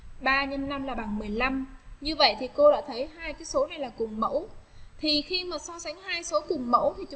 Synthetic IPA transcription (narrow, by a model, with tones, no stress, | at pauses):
ɓaː˧ɲə˧nna˧mlaː˨˩ɓa˨˩ŋmɨ˨˩əjla˧mɲɨ˧və̰˧˨jt̪ʰi˨˩ko˧ɗa̰ː˧˥t̪ʰə˨˦jɦaː˧jkaː˨˦jso˨˦na˨˩jlaː˨˩kʊ˨˩ŋ͡mmə̰˧˥wt̪ʰi˨˩xi˧maː˨˩sɔ˧sa˨˦jŋ̟haː˧jso˨˦kʊ˨˩ŋ͡mmə̰˧˥wt̪ʰi˨˩t͡ɕʊ˨˦